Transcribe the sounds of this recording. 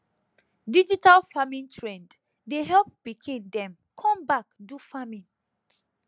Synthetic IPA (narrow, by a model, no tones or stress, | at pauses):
did͡ʒitalfamĩntʰɹɛ̃nd | deɦɛlp̚b̥ikʰĩndɛ̃m | kʰɔ̃mbakdufamĩn